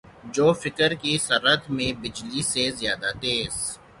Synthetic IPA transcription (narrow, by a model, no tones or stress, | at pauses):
d͡ʒoːfɪkəɾkisɐɾət̪mẽbɪd͡ʒlisezijaːd̪at̪eːs